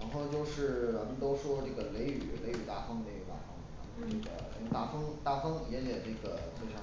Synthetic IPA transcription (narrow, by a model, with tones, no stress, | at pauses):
ɻa˧˥nxo˥˩˧n˧t͡ɕjo˥˧ʊʂɻ̩˥˩wa˧˥mə˧nt̪o˥ʊʂwɔ˥ʈ͡ʂɤ˥˩ɡə˩le˧˥ɪy̰˨˩le˧˥ɪy˨˩t̪a˥˩fɤ˥ŋne˥˩ɡə˨˩t̪a̰˥˩fɑ̰˧˥ŋ˥˩a˥˩˥ne˥˩ɡə̰˨˩a̰˧˥˧t̪a˥˩fɤ˥ŋt̪a˥˩fɤ˥ŋ˧˩jɛ˥njɛ˨˩ʈ͡ʂe˥˩ɡə˩t͡ɕʰʂɑ˥